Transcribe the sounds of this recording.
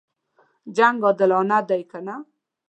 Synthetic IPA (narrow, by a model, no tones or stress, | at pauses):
d͡ʒaŋɡɔd̪ɪlɑnad̪ajkana